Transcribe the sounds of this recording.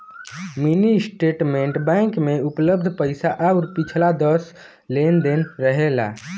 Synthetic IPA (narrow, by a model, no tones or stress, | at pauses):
minisʈeʈmeɳʈbãɪ̃ŋkmeupləbd̪ʱpəjsaʔauɾpit͡ʃʰlad̪əs | lend̪enɾəɦela̰